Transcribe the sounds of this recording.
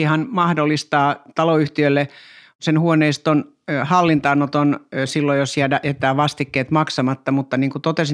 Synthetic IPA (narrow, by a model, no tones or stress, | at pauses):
ihɑnmɑhdolːist̪ɑːt̪ɑloyht̪iølːe | senhuoneist̪on | hɑlːint̪ɑnːot̪onsilːojosjædæʔet̪ˑæːʋɑst̪ikːeːt̪mɑksɑmɑt̪ːɑmut̪ːɑniːŋkut̪ot̪esi